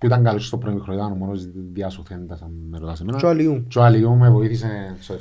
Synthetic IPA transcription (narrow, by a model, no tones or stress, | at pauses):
puit̪aŋɡalot͡ʃi̥st̪opɾoimixɾoiðanomonozðiasuθend̪asanːeɾot̪ɐsemenat͡ʃoaliut͡ʃoaliumevoiθis̬eso